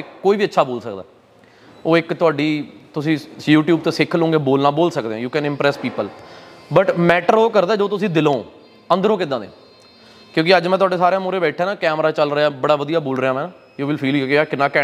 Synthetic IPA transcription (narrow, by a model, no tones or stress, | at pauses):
koːiːbiːətːʃʰaːboːlsəkd̪a̰ː | oːɪkt̪ʊaːɖiːt̪ʊsĩːjuːʈjuːbt̪eːsɪkʰːlõːɡeːboːlnaːboːlsək̚d̪eːãːjuːkɛ̃ːnɪ̃mpɾɛːspiːpəlbəʈmɛːʈəɾoːkəɾd̪aːd͡ʒoːt̪ʊsĩːd̪ɪlõ̰ː | ə̃nd̪əɾõːkɪd̪ãːd̪ḛ | kjõːkɪəd͡ʒmɛ̃t̪ʊaːɖeːsaːɾejãːmoːɾeːbɛːʈʰeːnaːkɛːmɾaːt͡ʃəlɾəaːbəɽaːʋəd̪ijaːboːlɾəjãːmɛ̃ː | juːʋɪlpʰiːljkːaːkɪnːãːkɛː